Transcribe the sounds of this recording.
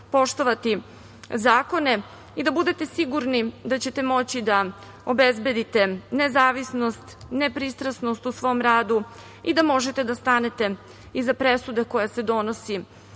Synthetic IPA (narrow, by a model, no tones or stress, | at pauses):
po̞ʃt̪o̞ʋat̪i | zaːko̞ne̞ | id̪abud̪e̞t̪e̞siɡuɾnid̪at͡ɕe̞t̪e̞mo̞t͡ɕid̪a | obezbe̞d̪it̪e̞ne̞zaːʋisnost̪nepɾist̪ɾasno̞st̪usʋo̞mɾaːd̪u | id̪amo̞ʒe̞t̪ed̪ast̪ane̞t̪e̞ | izapɾe̞sud̪eko̞jase̞d̪o̞nosi